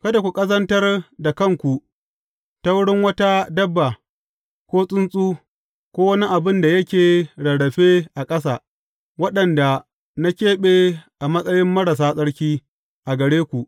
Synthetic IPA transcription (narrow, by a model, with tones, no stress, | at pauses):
kɐ˦da˨kʷu˨kʼɐ˦zɐ˦ntɐ˦rda˨kɐ˦˨ŋkʷu˨ | ta˦wʊ˦ɽɪ˦ŋwɐ˦ta˦dɐ˦bːa˨ | kʷoː˦sʼʊ˦nsʼuː˦ | kʷoː˦wɐ˦ni˦ʔa˨bɪ˦nda˨jɐ˦kʲeː˨ɽɐ˨ɽɐ˨ɸeː˦ʔa˨kʼɐ˦s̬aː˨ | wɐ˦ɗɐ˨nda˨ | na˦kʲeː˦ɓe˦ʔa˨mɐ˦sʼɐ˦jɪ˦mːɐ˦ɽɐ˨s̬aː˦sʼɐ˦ɽkʲiː˦ | ʔa˨ɡɐ˨ɽeː˦kʷu˨ʔ